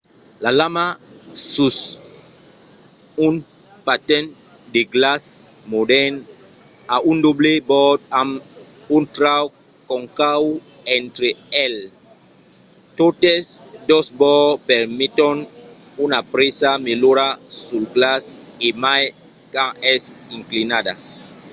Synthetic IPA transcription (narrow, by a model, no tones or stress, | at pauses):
lalamasus | unpatɛ̃ndeɡlasmodɛn | aʔundoblebɔdamuntɾaw | kɔ̃ŋkaw | ɛ̃nt̪ɾeɛl | totesd̪osbɔpɛɾmit̪onunapɾesameloɾasulɡlasemaj | kãɛsiŋklinada̰